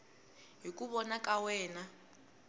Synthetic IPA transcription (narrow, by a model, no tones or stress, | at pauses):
ɦikuβɔnakʼawɛːna